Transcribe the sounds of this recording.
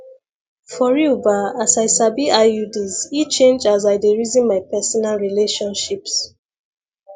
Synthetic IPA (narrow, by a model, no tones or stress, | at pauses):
fɔɹiubaasajsabiʔaudizit͡ʃẽnd͡ʒazaɪdeɹizĩnmajpɛsɔnalɹileʃɔ̃nʃips